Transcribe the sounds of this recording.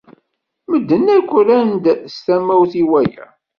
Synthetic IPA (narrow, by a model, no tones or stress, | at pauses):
məd̪ːənːækʷːlænd̪st̪æmːæwθiwæjæ̰